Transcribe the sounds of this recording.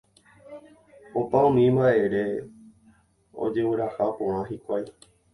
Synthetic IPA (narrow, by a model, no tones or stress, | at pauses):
opaõmĩmbaʔe̞ɾe | o̰d͡ʒewɨɾahaopõɾãɦikʷaj